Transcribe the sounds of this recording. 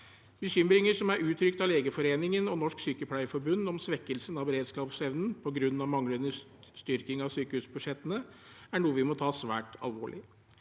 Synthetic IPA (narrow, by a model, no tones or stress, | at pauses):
bəɕʏmɾɪŋəɾʂɔmæɾʉːt̪ʰɾʏkt̪ɑleːɡəfɔɾeːnɪŋənɔnɔʂksyːkəpʰlæɪfɔɾbʉnd̪ɔmsʋɛkːəlsənɑʋbəɾeːd̪skɑːpsɛʋnn̩pʰɔɡɾʉnːɑʋmɑŋlənə | st̪ʏɾkɪŋɑʋsyːkəhʉːsbʉʂɛt̪ːənəæɳuːəʋɪmɔt̪ʰɑːsʋæ̰ːʈɑ̰lʋo̰ːɭʔɪ̰